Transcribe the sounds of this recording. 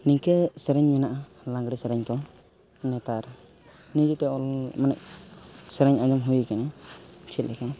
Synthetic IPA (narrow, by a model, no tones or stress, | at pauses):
niɲkəsɛɾɛɲmɛnaʔa | lãŋɡɽɛsɛɾɛɲkɔ | nɛt̪aɾ | nid͡ʒit̪ɛɔlmanɛʔ̚sɛɾɛɲad͡ʒɔmɦujkanɛt͡ʃʰit̪̚lɛka